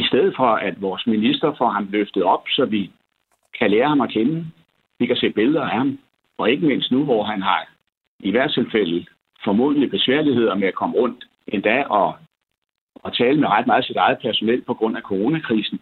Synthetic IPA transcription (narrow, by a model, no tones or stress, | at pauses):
isd̥eðˠð̩ˠfɒ̽æd̥ʋɒːsminisd̥ɐfɒɦɑ̈mløfd̥ð̩ˠɒ̽b̥sɒ̽ʋi | kʰæleːɐhɑ̈mɒ̽kʰenə | ʋikʰæse̝̰ːb̥e̝lðˠɐæhɑ̈m | ɒ̽e̝ɡ̥əme̝n̰sd̥nuʋɒɦænɦɑ̈ | iʋæɐ̥t͡sʰe̝lfel̰ð̩ | fɒmo̝̰ːð̩ˠlib̥e̝sʋæɐ̰lihe̝ð̞̰ˠɐmeækʰɒ̽məʁɔ̽n̰d̥ | ʔe̝nd̥ɛʔɒ̽ | ɒt͡sʰɛːləmeʁɑ̈d̥̚mɑ̈ːð̞̩ˠsid̥ɑ̈ɪð̩ˠpʰæɐso̝nel̰pʰɒ̽ɡ̥ʁɔ̽n̰ækʰo̝ʁo̝ːnækʰʁḭːsn̩